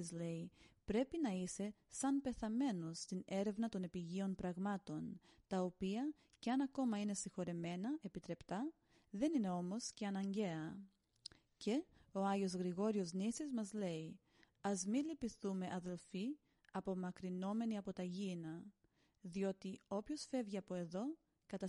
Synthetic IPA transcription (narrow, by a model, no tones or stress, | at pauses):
zle̞ipɾe̞pinɐise̞ | sɐnpe̞θɐme̞no̞st̪ine̞ɾe̞vnɐt̪o̞nepiʝio̞npɾɐɣmɐt̪o̞n | t̪ɐopiɐ | ceɐnɐko̞mɐine̞sixo̞ɾe̞me̞nɐe̞pit̪ɾe̞pt̪ɐ | ðe̞nine̞o̞mo̞sce̞ɐnɐɲɟe̞ɐ | ce̞o̞ɐʝio̞zɣɾiɣo̞ɾio̞znisizmɐzle̞i | ɐzmilipiθume̞ʔɐðe̞lfi | ɐpo̞mɐkɾino̞me̞niɐpo̞t̪ɐʝinɐ | ðio̞t̪io̞pço̞sfe̞vʝiɐpo̞e̞ðo̞ | kɐt̪ɐ